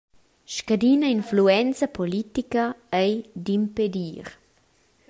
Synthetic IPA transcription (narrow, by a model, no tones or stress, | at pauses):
ʃkad̪iːnɐinfluɛnt͡sɐpolit̪ikɐɛjd̪imped̪iːɾ